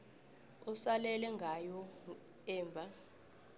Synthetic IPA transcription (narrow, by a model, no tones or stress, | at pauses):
ɔsalɛlɛŋɡʱajɔ | ɛːɱbvʱa